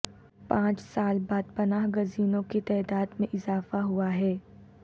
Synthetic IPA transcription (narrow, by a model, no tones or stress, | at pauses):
pãːt͡ʃsaːlbaːd̪̚pɐnaːɦɡɐziːnõket̪ɛːd̪aːd̪mẽʔɪzaːfaɦuaɦɛː